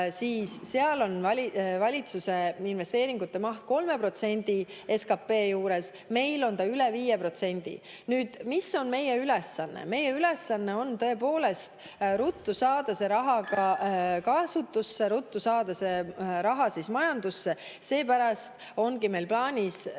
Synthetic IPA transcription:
siːsːeɑlo̞nɑlʲivɑlʲit̪suse̞inve̞st̪e̞ːɾiŋɡ̥ut̪ːe̞mɑht̪̚ko̞lme̞pro̞t̪se̞nʲd̪̥ie̞skɑpːe̞ːjuːɾe̞s | me̞jlo̞nt̪ɑyle̞viːjepro̞t̪se̞nʲd̪̥ḭ | nyːd̪̥miso̞nme̞jeylɛsːɑnːḛme̞jeyle̞sːɑnːe̞o̞nt̪ɤ̞e̞poːle̞st̪ | ɾut̪ːˑusɑːd̪̥ɑse̞ɾɑɦɑkɑkɑsut̪ːusːe̞ɾut̪ːˑusɑːd̪ɑse̞ɾɑɦɑsismɑjɑnd̪̥usːe̞ | se̞ːpæɾɑst̪ | o̞nɡime̞jlplɑːnʲis

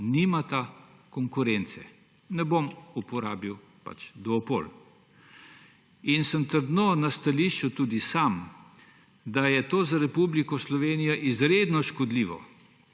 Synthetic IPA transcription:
nimat̪akɔŋkuɾɛnt̪sɛ | nɛbomupɔɾaːbiw | pa̰t͡ʃd̪ɔːpo̰l | insəmt̪əɾd̪nonast̪aliʃt͡ʃut̪uːd̪isam | d̪ajɛt̪oːzaɾɛpublikɔslɔʋeːnijaʔizɾed̪nɔʃkɔd̪liːʋɔ̰

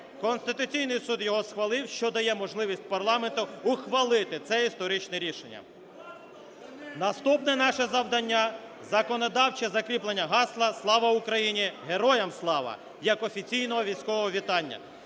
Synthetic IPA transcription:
kɔnst̪ɪt̪ʊt͡sʲijnɪjsud̪jɔɦɔsxʋɐlˠɪwʃt͡ʃɔd̪ɐjɛmɔʒlˠɪʋʲisʲt̚ʲpɐrlˠɑment̪ʊʊxʋɐlˠɪt̪ɪt̪sɛist̪ɔɾɪt͡ʃnɛɾʲiʃḛnʲːɐ̰ | nɐst̪upnɛnɑʃɛzɐwd̪ɐnʲːa | zɐkɔnɔd̪ɑwt͡ʃɛzɐkɾʲiplenʲːɐɦɑslˠɐslˠɑʋɐʊkɾɐjinʲiɦeɾɔjɐmslˠɑʋɐ̰ | jɐkɔfʲit͡sʲijnɔɦɔʋʲijsʲkɔʋɔɦɔʋʲit̪ɑnʲːɐ̰

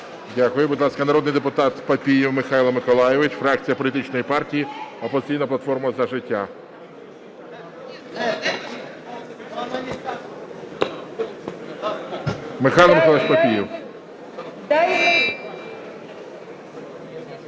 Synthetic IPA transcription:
dʲakʊjʊbʊd̪ʲlˠɑskɐnɐɾɔd̪nɪjd̪epʊt̪ɑt̪pɐpʲijiwmɪxailˠɐmɪkɔlˠɑjeʋɪt͡ʃfɾɑk̚t͡sʲijɐpɔlʲit̪ɪt͡ʃnɔjipɑrtʲijiɔpɔzɪt͡sʲijnɐplˠɐt̪fɔrmɐzɐʒɪtʲːa | mɪxɑjilˠɐmɪkɔlˠɛʃpɐpʲijiw | d̪

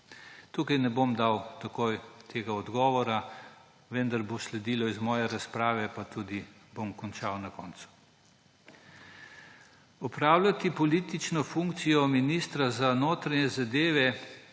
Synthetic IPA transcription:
t̪uːkajnɛbomd̪awt̪akojt̪ʰeːɡaɔd̪ɡɔːʋɔɾa | ʋɛnd̪aɾboslɛd̪iːlɔizmɔːjɛɾaspɾaːʋɛpat̪uːd̪ibomkɔnt͡ʃawnakɔnt̪su̥ | ɔpɾaːwlʲat̪ipɔliːt̪it͡ʃnɔfuŋkt̪sijɔminist̪ɾazanoːt̪ɾanɛzad̪eːʋɛ

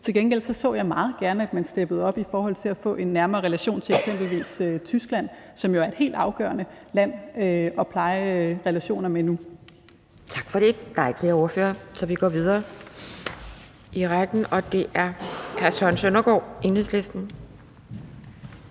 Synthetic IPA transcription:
t͡sʰe̝lɡ̥enɡ̥el̰sɒ̽sɔ̰̽ːjɑ̈ɪmɑ̈ːð̩ˠɡ̥æɐnəæd̥mænsd̥eb̥əð̞̩ˠɒ̽b̥ifɒːhɒ̽l̰t͡sʰe̝læfɔ̰̽ːʔe̝nːæɐmɐːʁɛlæɕo̝̰ːnt͡sʰe̝leɡ̥sem̰b̥l̩ʋḭːsøt͡sʰysɡ̥læn̰sɒ̽mjoæɐed̥ɦe̝̰ld̥ɑ̈ʊɡ̥ɶ̰ːɐnəlæn̰øɒ̽pʰlɑ̈ɪʁɛlæɕo̝̰ːnɐmenu | t͡sʰɑ̈ɡ̥fɒ̽ɾ̥e̝d̥ɑ̈ɪ̥fleɐo̝ɐfø̰ːɐsɒ̽ʋiɡ̥ɒ̰ːʋið̞ˠɐː | iʁaɡ̥n̩ɒ̽d̥e̝ʔæɐhæɐsɒnsønɐɡ̥ɒ̰ːʔe̝nheð̰ˠsle̝sd̥n̩

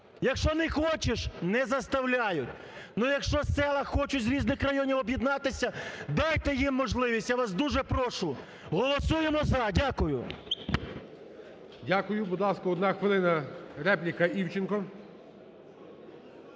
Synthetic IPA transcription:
jɐkʃt͡ʃɔnɪxɔt͡ʃeʃnɛzɐst̪ɐwlʲajʊtʲ | nujɐkʃt͡ʃɔsɛlˠɐxɔt͡ʃʊzɾʲiznɪxɾɐjɔnʲiwɔbjid̪nɑt̪ɪsʲɐd̪ɑjt̪ɛjimːɔʒlˠɪʋʲisʲtʲjaʋɑsd̪uʒɛpɾɔʃʊ | ɦɔlˠɔsujemɔzɐdʲakʊjʊ̰ | dʲakʊjʊbɔd̪lˠɑskɔɔd̪naxʋɪlˠɪnɐɾɛplʲikɐiwt͡ʃɪnkɔ

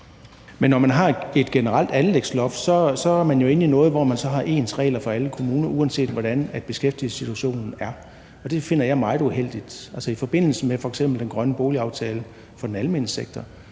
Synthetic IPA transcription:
menːɒmænɦɑ̈e̝d̥ɡ̥e̝nəʁal̰d̥ænleɡ̥slɒ̽fsɒ̽sɒ̽æɐmænjo̝e̝ninɔ̽ːð̞̩ˠʋɒmænsɒ̽ɦɑ̈ʔe̝ːnsʁɛ̰ːlɐfɒ̽æləkʰo̝muːnɐʔuænse̝̰ːd̥ʋɒɾænæd̥̚b̥e̝sɡ̥efd̥iəsit͡sʰuæɕo̝̰ːnn̩æɐ | ɒ̽d̥e̝fe̝n̰ɐjɑ̈ɪmɑ̈ɪð̩ˠuhel̰d̥id̥ælsəifɒ̽b̥e̝n̰l̩səmefɒ̽eɡ̥sem̰b̥l̩d̥enɡ̥ʁɶnəb̥o̝ːliɑ̈ʊt͡sʰɛːlə | fɒ̽d̥enælme̝nəseɡ̥̚t͡sʰɐ

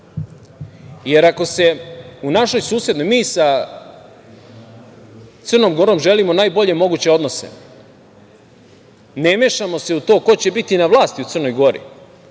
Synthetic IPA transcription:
je̞ɾako̞se̞unaʃo̞jsuːsje̞d̪no̞jmiːsa | t̪ɨrno̞mɡo̞ɾoːmʒe̞limo̞naːjbo̞ʎe̞mo̞ɡut͡ɕe̞o̞d̪no̞sḛ | nemeːʃamo̞se̞ut̪o̞ːko̞t͡ɕe̞bit̪inaʋlˠaːst̪iut̪sɨr̩no̞jɡo̞ɾḭ

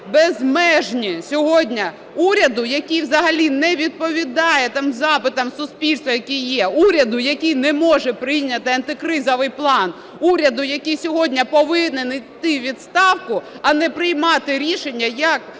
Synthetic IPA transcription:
bɛzmɛʒnʲisʲɔɦɔdʲnʲɐ | uɾʲɐd̪ʊjɐkʲijwzɐɦɐlʲinɛʋʲid̪̚pɔʋʲid̪ɑjɛt̪ɑmzɑpɪt̪ɐmsʊspʲilʲst̪ʋɐjɐkʲijjːɛuɾʲɐd̪ʊjɐkʲijnɛmɔʒɛpɾɪjnʲɐt̪ɪɐnt̪ɪkɾɪzɔʋɪjplˠɑn | uɾʲɐd̪ʊjɐkʲijsʲɔɦɔdʲnʲɐpɔʋɪnɪnɪt̪ːɪʋʲid̪st̪ɑwkʊ | ɐnɛpɾɪjmɑt̪ɪɾʲiʃenʲːɐjɐk

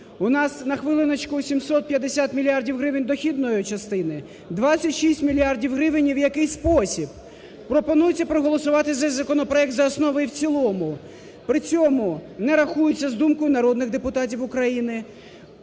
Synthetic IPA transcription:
ʊnɑsnɐxʋɪlˠɪnɐt͡ʃkʊsʲimsɔt̪̚pʲjɐd̪esʲat̪mʲilʲiardʲiwɦɾɪʋɪnʲd̪ɔxʲid̪nɔjʊt͡ʃɐst̪ɪnɪ | d̪ʋɑt͡sʲsʲɐtʲʃisʲtʲmʲilʲiardʲiwɦɾɪʋɪnʲiwjɐkɪjspɔsʲib̚ | pɾɔpɔnujɪt͡sʲːɐpɾɔɦɔlˠɔsʊʋɑt̪ɪzɛzʲzɐkɔnɔpɾɔɛk̚t̪zɐːsnɔʋɔjiwt͡sʲilˠɔmʊ | pɾɪt͡sʲɔmʊnɛɾɐxujʊt͡sʲːɐzd̪umkɔjʊnɐɾɔd̪nɪɣd̪epʊt̪ɑt̬ʲiwʊkɾɐjinɪ

